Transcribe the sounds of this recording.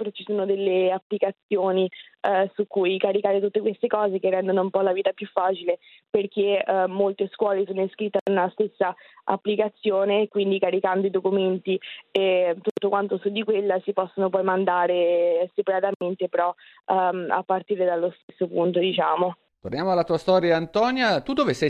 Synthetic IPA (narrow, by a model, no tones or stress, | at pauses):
peɾɔt͡ʃːisoːnod̪elːeapːlikat̪sːjoːnisukːujkaɾikaːɾet̪̬ut̪ːekwest̪ekɔːzek̟erːɛnd̪onoumpɔlaviːt̪apjufːaːt͡ʃile | perk̟emːolt̪eskwɔːles̬oːnoiskɾit̪ːanunast̪esːaa̰pːlikat̪sːjoːnekwind̪ikaɾikand̪oid̪okument̪iet̪ut̪ːokwant̪osud̪ːikwelːasipɔsːonopɔjmand̪aːɾesepaɾat̪ament̪epeɾɔ | a̰pːart̪iːɾed̪alːost̪esːopunt̪od̪it͡ʃaːmo | t̪ornjamoalat̪uːast̪ɔɾjaːnt̪ɔnjat̪ud̪ovesɛ